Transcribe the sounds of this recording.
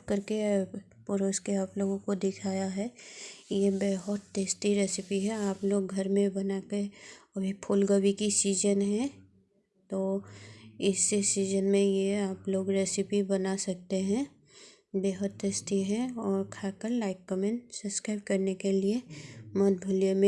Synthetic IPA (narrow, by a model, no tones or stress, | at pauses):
kɐɾke | pʊɾoːskeaːploːɡõkod̪ɪkʰaːjaɦɛjebeːɦʊt̪ːeːst̪iɾɛːsɪpiɦɛaːploːɡɡʱɐɾmẽbɐnakeɐbʱipʰʊːlɡəwikisiːzənɦɛ̃ | t̪oː | ɪsːesiːzənmẽjeaːploːɡɾeːsɪpibɐnasɐk̚t̪eɦɛ̃ | beːɦʊt̪t̪eːst̪iɦɛ̃ɔːɾkʰaːkəɾlaːɪkːəmɛ̃ʈsɐskɾaːɪb̚kɐɾnekeliemɐt̪̚bʱʊliemẽ